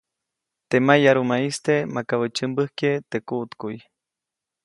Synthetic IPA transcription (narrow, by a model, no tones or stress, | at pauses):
t̪emajaɾumaist̪emakaβət͡ʃɨmbɨhket̪ekuʔt̪kuj